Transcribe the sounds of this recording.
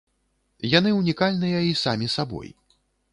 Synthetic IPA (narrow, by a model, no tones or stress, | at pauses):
janɨwnʲikalʲnɨjɐisamʲisabɔ̰j